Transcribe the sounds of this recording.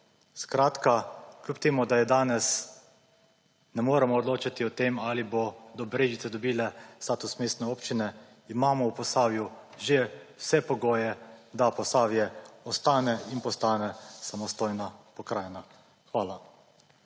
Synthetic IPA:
skɾaːt̪kaklʲuːpt̪eːmud̪ajɛd̪aːnɛs | nɛmoːɾɛmɔɔd̪loːt͡ʃat̪iɔt̪eːmalibod̪ɔbɾeːʒit̪sɛd̪ɔbiːlɛst̪aːt̪usmeːst̪nɛoːpt͡ʃinɛ | imaːmɔwpɔsaːwjuʒewsɛpɔɡoːjɛd̪apɔsaːwjɛɔst̪aːnɛinpɔst̪aːnɛsamɔst̪oːjnapɔkɾaːjna | xʋaːla

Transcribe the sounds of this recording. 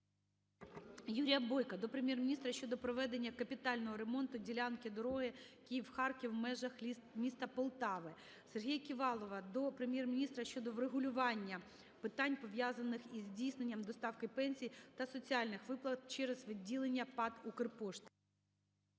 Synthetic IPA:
juɾʲijɐbɔjkɐd̪ɔpɾemʲjɛrmʲnʲist̪ɾɐʃt͡ʃɔd̪ɔpɾɔʋɛd̪e̞nʲːɐkɐpʲit̪ɑlʲnɔɦɔɾemɔnt̪ʊdʲilʲɑnkʲid̪ɔɾɔɦɪ | kʲijiwxɑrkʲiwmɛʒɐx | mʲist̪ɐpɔlˠt̪ɑʋɪ | serɦʲijɐkʲiʋɑlˠɔʋɐd̪ɔpɾemʲjɛrmʲɪnʲist̪ɾɐʃt͡ʃɔd̪ɔʋreɦʊlʲʊʋɑnʲːɐ | pɪt̪ɑnʲpɔʋʲjɑzɐnːɪxizʲdʲijsnenʲːɐmd̪ɔst̪ɑwkɪpɛnʲsʲijt̪ɐsɔt͡sʲiɑlʲnɪxʋɪplˠɐt̪̚t͡ʃɛɾɛzʋɪdʲilˠenʲːɐpɑt̪ukɪrpɔʃt̪ʲɪ̥

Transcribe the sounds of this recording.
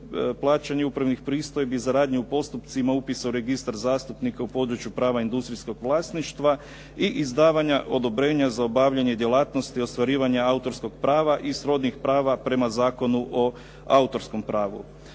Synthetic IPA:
plˠaːt͡ʃaɲeupɾaʋnixpɾiːst̪o̞jebizaɾaːd̪ɲiupo̞st̪upt̪simaupisauɾe̞ɡist̪aɾzaːst̪upnikaupo̞d̪ɾut͡ɕjupɾaːʋaind̪ust̪ɾisko̞ɡʋlˠaːst̪niʃt̪ʋa | iʔizd̪aːʋaɲaʔo̞d̪o̞bɾe̞ːɲazaobaʋʎeɲe̞d̪je̞laːt̪no̞st̪io̞st̪ʋaɾiːʋaɲaaut̪o̞ɾsko̞ɡpɾaːʋaʔisɾo̞d̪nixpɾaːʋapɾe̞mazaːko̞nuʔo | a̰ut̪o̞ɾsko̞mpɾaːʋṵ

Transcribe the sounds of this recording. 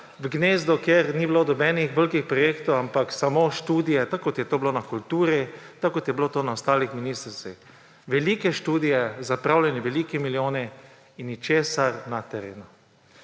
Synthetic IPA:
ʋɡneːzd̪ɔkjeɾnibilod̪ɔbɛnixʋəlkixpɾɔjeːkt̪ɔwampaksamoʃt̪uːd̪ijɛt̪akːɔt̪jɛt̪oːblonakult̪uːɾit̪akːɔt̪jɛblot̪oːnaɔst̪aːlixminiːst̪ɾt̪sḭx | ʋɛlikɛʃt̪uːd̪ijɛzapɾawlʲjɛnɛʋɛlikɛmiljoːnɛ | inːit͡ʃeːsaɾnat̪ɛɾḛːnu

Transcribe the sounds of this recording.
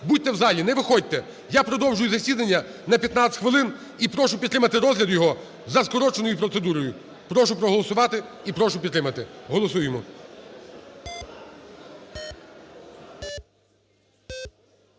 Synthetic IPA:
bud̚ʲt̪ːɛwzɑlʲinɛʋɪxɔd̚ʲt̪ɛ | japɾɔd̪ɔwʒʊjʊzɐsʲid̪ɐnʲːɐ | nɐpʲjɐt̪nɑsʲtʲxʋɪlˠɪn | ipɾɔʃʊpʲid̪t̪ɾɪmɐt̪ɪɾɔzʲlʲɐd̪ʊjɔɦɔ | zɐskɔɾɔt͡ʃenɔjʊpɾɔt̪se̞d̪uɾɔjʊ | pɾɔʃʊpɾɔɦɔlˠɔsʊʋɑt̪ɪipɾɔʃʊpʲid̪t̪ːɾɪmɐt̪ɪɦɔlˠɔsujemɔ

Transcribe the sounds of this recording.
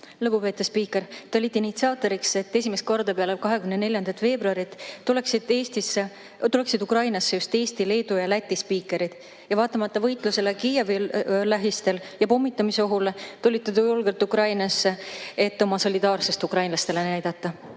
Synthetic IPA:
lɤpupe̞ːt̪ːˑespiːkːˑe̞ɾt̪olit̪ːˑinit̪siɑːt̪ːˑo̞ɾikse̞t̪ːe̞sʲimest̪̚ko̞rd̪ɑpeɑlelkɑɦe̞kymnene̞lʲjɑnd̪ɑt̪fe̞ːbɾuɑɾit̪ːule̞ksid̪̥e̞ːst̪isːe | t̪ule̞ksid̪ukrɾɑjnɑsːe̞just̪e̞ːst̪ile̞ːd̪̥ujɑlæt̪ʲːˑispiːkːˑe̞ɾid̪̥ | jɑvɑːt̪ːˑɑmɑt̪ːˑɑvɤjt̪ˑluse̞le̞kije̞vilæɦist̪e̞ljɑpo̞mːit̪ːˑɑmiseoɦult̪ulʲit̪ːet̪ujulɡelt̪ˑukrɾɑjnɑsːee̞t̪ːo̞mɑso̞lʲid̪ɑːrse̞st̪ukrɑjnlɑst̪e̞le̞næjd̪̥ɑt̪ːɑ

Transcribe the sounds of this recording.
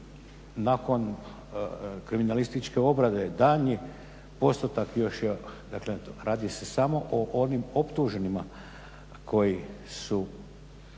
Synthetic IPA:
nakon | kɾiminalist̪it͡ʃke̞o̞bɾad̪ed̪aɲi | po̞st̪ot̪akjo̞ʃjed̪aklent̪oɾaːd̪ise̞samo̞ʔoʔo̞nimopt̪uʒe̞nima | kʰo̞jisu

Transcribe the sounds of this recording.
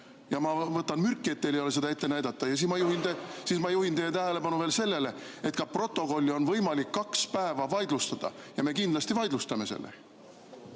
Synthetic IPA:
jɑmɑvɤt̪ːˑɑnmyrkːˑie̞t̪ːe̞lejo̞le̞se̞d̪̥ɑet̪ːe̞næjd̪̥ɑt̪ːˑɑjɑsiːsmɑjuhint̪esiːsmɑjuhint̪ejːet̪æɦele̞pɑnuve̞ːlse̞lːe̞le̞et̪kɑpro̞t̪ːˑo̞ko̞lʲːio̞nvɤjmɑlikːɑkspæevɑvɑjd̪lust̪ɑd̪̥ɑ̰jɑme̞kind̪lɑsʲt̪ivɑjd̪lust̪ɑme̞se̞̰lːḛ

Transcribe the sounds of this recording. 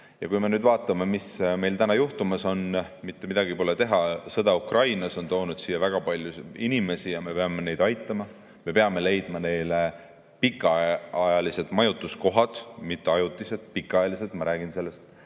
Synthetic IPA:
jɑkujme̞nyːd̪vɑːt̪ːˑɑmemisme̞jlt̪ænɑjuht̪umɑso̞n | mit̪ːe̞mid̪̥ɑɡipo̞let̪e̞ɦɑsɤd̪̥ɑukrɑjnɑso̞nt̪o̞ːnud̪̥siːjɑvæɡ̥ɑpɑlʲjuinime̞sijɑme̞peɑme̞ne̞jd̪ɑjt̪ːˑɑmɑ | me̞pe̞ɑme̞le̞jd̪̥mɑne̞jle̞ | pikːˑɑɑjɑlise̞d̪ˑmɑjut̪ˑːusko̞ɦɑd̪̥mit̪ːe̞ɑjut̪ːˑise̞t̪pikːˑɑjɑlise̞lt̪mɑɾæːɡ̥inse̞lːe̞st̪

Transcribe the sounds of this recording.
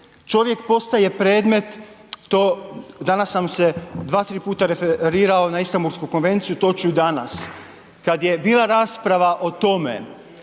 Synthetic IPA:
t͡ʃo̞ʋje̞kpo̞st̪aje̞pɾe̞ːd̪me̞t̪ːod̪anasːamsed̪ʋaːt̪ɾiːpuːt̪aɾefeɾiːɾao̞naist̪ambuɾskuko̞nʋe̞nt̪sijut̪o̞t͡ʃuud̪ana̰s | kad̪je̞biːlˠaɾaːspɾaʋaʔo̞t̪o̞mḛ

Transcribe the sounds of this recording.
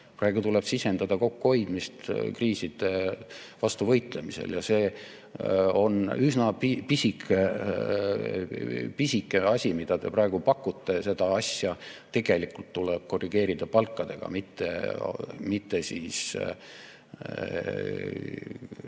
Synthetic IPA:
prɑˑe̞ɡut̪ule̞b̥sise̞nd̪̥ɑd̪̥ɑko̞kːuho̞jd̪̥mist̪kriːsid̪̥e̞ | vɑst̪uvɤjt̪ˑle̞misḛljɑse̞ː | o̞̰nysnɑpipisikʰˑe | pisikːˑeɑsʲimid̪̥ɑd̪̥e̞prɑe̞ɡ̥upɑkːˑut̪ˑːe̞se̞d̪̥ɑɑsjɑt̪e̞ɡ̥e̞likult̪ːuleb̥̚ko̞rːiɡ̥e̞ːɾid̪̥ɑpɑlkːˑɑd̪̥e̞ɡ̥ɑ̰mit̪ːe̞̰ | mit̪ːe̞sḭːs

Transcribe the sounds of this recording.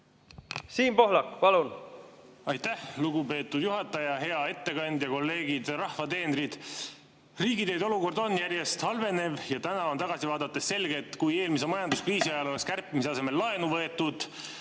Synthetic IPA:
siːnpo̞ɦlɑkːpɑlun | ɑjt̪ːæhluɡupe̞ːt̪ːˑud̪̥juɦɑt̪ːˑɑjɑɦe̞ɑe̞t̪ːe̞kɑnʲd̪̥jɑko̞lːe̞ːɡ̥id̪̥rɑhvɑt̪e̞ːnɾid̪̥ | riːɡid̪e̞jd̪o̞luko̞rd̪̥o̞njærje̞st̪hɑlve̞ne̞vjɑt̪ænɑo̞nt̪ɑɡ̥ɑsivɑːd̪̥ɑt̪ːˑesse̞lɡ̥e̞t̪ːkuje̞ːlmis̬e̞mɑjɑnd̪uskriːsiɑjɑlo̞lekskærpːˑimis̬eɑse̞me̞lːɑe̞nuvɤe̞t̪ːˑud̪̥

